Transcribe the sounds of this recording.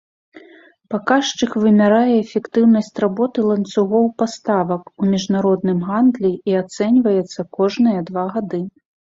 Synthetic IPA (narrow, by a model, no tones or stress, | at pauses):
pakaʂt͡ʂɨxvɨmʲaɾajɛːfʲɛkt̪ɨwnɐsʲt͡sʲrabɔt̪ɨlˠɐnt̪suɣɔwpast̪avɐkumʲiʐnaɾɔd̪nɨmɣand̪lʲiiat̪sɛnʲvɐjɛt̪sːɐkɔʐnɨjɐd̪vaɣad̪ɨ